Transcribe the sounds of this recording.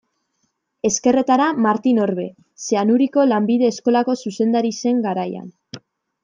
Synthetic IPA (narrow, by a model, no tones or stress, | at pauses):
e̞ske̞re̞t̪aɾamaɾt̪ino̞ɾβe̞ | se̞anuɾiko̞lambiðe̞ːsko̞lako̞suse̞nd̪aɾise̞ŋɡaɾaja̰n